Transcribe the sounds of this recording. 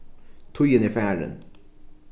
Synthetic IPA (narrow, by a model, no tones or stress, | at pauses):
t̪ʰʊjəniːfæːɹə̰n